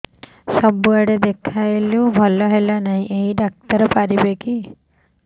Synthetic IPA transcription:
sɔbuaɽed̪ekʰajlubʱɔlɔɦelanaɦĩʔeɦiɖak̚t̪əɾɔpaɾibeki

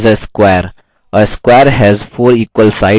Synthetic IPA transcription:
zəskwɛəɾ | ʔəskwɛəɾɦɛzfoːɾiːkwəlsaɪ

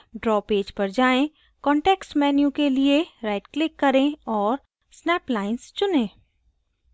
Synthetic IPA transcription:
ɖɾɔːpeːd͡ʒpɐɾd͡ʒaːẽ | kɔ̃ːɳʈeːksmɛːnjũkelieɾaːɪʈklɪkːɐɾẽɔːɾ | snɛːplaːɪnst͡ʃʊnẽː

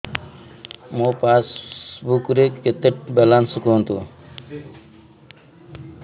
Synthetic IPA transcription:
moːpasbukɾekːet̪əʈ̚belansukoɦnt̪ṵ

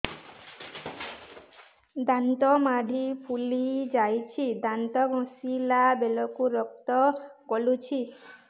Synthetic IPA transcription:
d̪ant̪ɔmaɖʱipʰulid͡ʒajt͡ʃʰid̪ant̪ɔɡʱɔ̃silabelɔkuɾɔk̚t̪ɔkɔlut͡ʃʰi

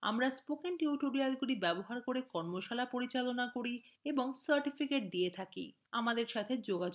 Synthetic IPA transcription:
a̰mɾaspokeŋʈuʈoɾialɡulibɛboɦaɾkoɾekɔɾmoʃalapoɾit͡ɕalonakoɾieboŋsaɾʈifikeʈ̚d̪iet̪ʰakḭ | amad̪eɾʃat̪ʰed͡ʑoɡad͡ʑo

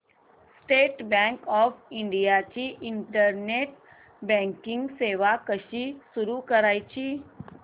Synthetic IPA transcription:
sʈeːʈbɛ̃ŋkɔːfʰɪɳɖijat͡ɕiʔɪɳʈəɾneʈ | bɛ̃ŋkɪ̃ŋɡseːʋakəʃisuɾukəɾaːit͡ɕʰi

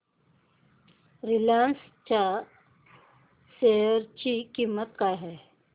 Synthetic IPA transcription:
ɾilans | t͡ɕa | seɾt͡ɕikiːmːət̪̚kaɦɛ

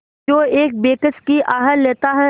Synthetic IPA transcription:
oːeːk̚beːkəskiʔaːɦəlːeːt̪aɦɛ

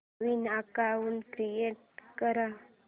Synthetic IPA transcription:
ʋinakaunkɾijeʈ̚kəɾa

